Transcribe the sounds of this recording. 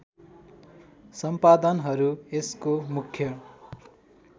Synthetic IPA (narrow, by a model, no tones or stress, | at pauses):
sʌmpad̪ʌnɦʌɾueskomukʰjʌ